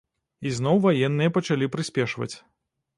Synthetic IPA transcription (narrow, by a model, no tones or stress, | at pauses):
iznɔwvajɛnːɨjɐpɐt͡ʃalʲipɾɨsʲpʲɛʂvɐ̰t͡sʲ